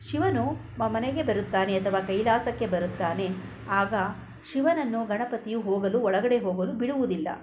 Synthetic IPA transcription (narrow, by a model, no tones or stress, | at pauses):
ʃiʋɐnu | mɐmɐneɡe̞bɐɾut̪ːaːne̞ɐt̪ʰɐʋaːkɐjlaːsɐkːe̞bɐɾut̪ːaːne̞ | aːɡɐ | ʃiʋɐnɐnːuɡɐɳɐpɐt̪ijuɦoːɡɐluɔɭɐɡɐɽe̞ɦoːɡɐlubiɽuʋud̪ilːɐ̰